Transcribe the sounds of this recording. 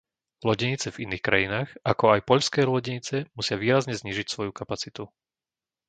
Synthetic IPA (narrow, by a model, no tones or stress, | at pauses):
lɔɟɛɲit͡sɛviniːxkɾajinaːxakɔajpɔʎskɛːlɔɟɛɲit͡sɛmusɪaʋiːɾazɲɛzɲiːʒicsʋɔjukapat͡sit̪u